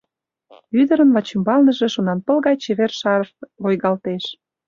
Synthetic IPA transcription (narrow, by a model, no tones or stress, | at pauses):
yd̪ə̆ɾə̆nvɑt͡ɕumbɑlnə̆ʒĕʃonɑnpə̆lɣɑjt͡ɕeβerʃɑɾfβojɣɑlt̪eʃ